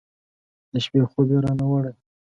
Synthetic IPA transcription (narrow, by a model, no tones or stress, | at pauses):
d̪̥əʃpexobeɾɑnawaɽaj